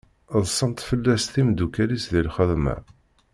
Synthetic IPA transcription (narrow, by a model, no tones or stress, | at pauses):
ðˤsˤːənt̪fəlːæsθimd̪ukælisðilχəðmæ̰